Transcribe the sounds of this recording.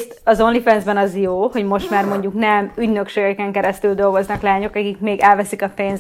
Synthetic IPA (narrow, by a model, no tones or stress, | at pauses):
ɒzonlifɛnzbɛnɒzjoːho̞ɟmo̞ʃt̪maːrmo̞ɲɟuknɛmyɟnø̞kʃeːɡɛkɛŋkɛɾɛst̪yld̪o̞lɡo̞znɒklaːɲo̞kɒkikmeːɡɛlvɛsikɒpeːnz